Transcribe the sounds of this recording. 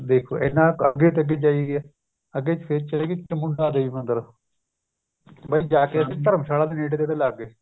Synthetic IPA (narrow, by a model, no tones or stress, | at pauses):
d̪eːkʰo̰ːḛːnːãːəɡeːt̪ːəɡeːd͡ʒaːiːɡeɛː | əɡːeːt͡ʃpʰeɾt͡ʃəleːɡet͡ʃəmʊɳɖaːd̪eːiːmənd̪əɾ | bəiːd͡ʒaːkeəsĩːt̪əɾəmsaːlaːd̪eːneːɖeːd̪eːt̪eːləɡe